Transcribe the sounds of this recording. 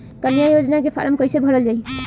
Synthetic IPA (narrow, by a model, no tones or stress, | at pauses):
kənjajod͡ʒnakepʰa̰ɾəmkʌjsebʱɔɾəld͡ʒaj